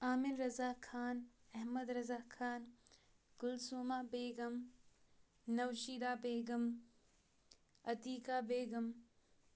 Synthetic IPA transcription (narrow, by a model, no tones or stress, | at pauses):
aːmɪlɾɐzaːkʰaːnɐɦmɐd̪ɾɐzaːkʰaːn | kʊlsuːmabeːɡɐm | nɐwʃiːd̪aːbeːɡɐm | ɐt̪iːkaːbeːɡɐm